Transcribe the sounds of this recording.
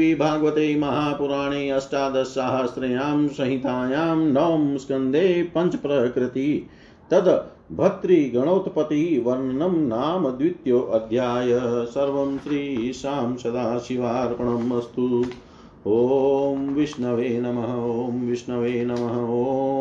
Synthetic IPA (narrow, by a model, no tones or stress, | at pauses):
iːbʱaːɡʋɐt̪eːmɐɦaːpuɾaːɳeːɐsʈaːd̪ɐʃaːɦɐsɾeːjaːmsɐ̃ɦit̪aːjaːmnɐʋɐmskɐnd̪ʱeːpɐɲt͡ʃɐpɾɐkɾɪt̪i | t̪ɐd̪ɐ | bʱɐt̪ɾiːɡɐɳoːt̪pɐt̪iʋɐɾɳɳɐmnaːmɐd̪ʋit̪joːʔɐd̪ʱjaːjɐsɐɾʋɐmʃɾiːʃaːmsɐd̪aːʃiʋaːɾpɐɳɐmɐst̪u | ɦoːmʋiʂɳɐʋeːnɐmɐɦɐoːmʋiʂnɐʋeːnɐmɐɦɐoː